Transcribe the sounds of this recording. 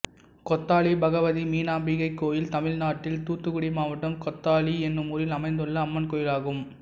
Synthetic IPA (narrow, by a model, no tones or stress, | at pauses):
kɔt̪ːaːɭibɐɣɐʋɐðimiːnaːmbiɣɐɪkːoːjɪlt̪ɐmɪlnaːʈːɪlt̪uːt̪ːɯkʊɽɪmaːʋɐʈːɐmkɔt̪ːaːɭiɛnːɯmʊɾɪlɐmɐɪnd̪ɯɭːɐːmːɐnkoːjɪlaːɣɯm